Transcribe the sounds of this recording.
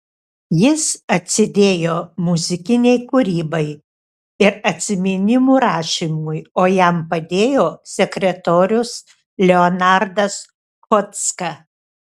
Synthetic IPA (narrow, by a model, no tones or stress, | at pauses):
jɪsɐt̪ʲsʲɪd̪ʲeːjoːmʊzʲɪkʲɪnʲɛɪkʊɾʲiːbɐɪ | ɪɾɐt̪ʲsʲɪmʲɪnʲɪmuːɾɑːʃʲiːmʊjoːjæmpɐd̪ʲeːjoːsʲɛkɾʲɛt̪oːɾʲʊs | lʲɛɔnɑɾd̪ɐs | kɔt̪skɐ